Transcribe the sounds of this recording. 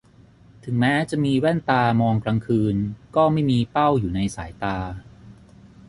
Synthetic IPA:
t̪ʰɯ˩˦ŋmɛː˦˥t͡ɕa˨˩ʔmiː˧wɛ˥˩nt̪aː˧mɔː˧ŋkɾa˧ŋkʰɯː˧nkɔː˥˩ma˥˩jmiː˧pa˥˩wjuː˨˩na˧jsaː˩˦jt̪aː˧

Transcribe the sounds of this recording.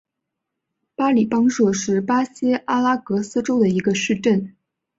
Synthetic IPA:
pa˥li˨˩pɑ˥ŋʂwɔ˥˩ʂɻ̩˥˩pa˥ɕjɛ˥ʔa˥la˥kɤ˧˥sɹ̩˥ʈ͡ʂo˥ʊd̪ə˨i˧˥ɡə˧ʂɻ̩˥˧ʈ͡ʂə˥˩n

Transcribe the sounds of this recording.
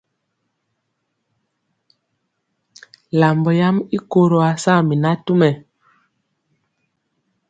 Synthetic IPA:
la˨mbɔ˨ja˦mi˦ko˦ɾo˨a˨sa˦˨mi˨na˦tu˦mɛ˨

